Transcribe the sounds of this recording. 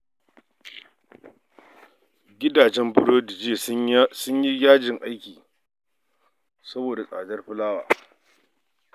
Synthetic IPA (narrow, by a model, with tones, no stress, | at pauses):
ɡʲɪ˦daː˨d͡ʒɛ˦mbʊ˦ɽoː˦dɪ˨d͡ʒeː˦˨sʊ˦ɲji˦jaː˦d͡ʒɪ˨ŋʔa˦jkʲiː˨ | sɐ˦boː˨da˨sʼa̰ː˨dɐ˦rɸʊ˦laː˦wa̰ː˨